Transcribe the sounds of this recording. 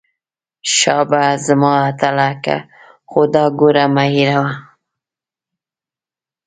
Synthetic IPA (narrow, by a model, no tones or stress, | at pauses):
ʃɑbazəmɑat̪alaka̰ | xod̪ɑɡoɾamaiɾawa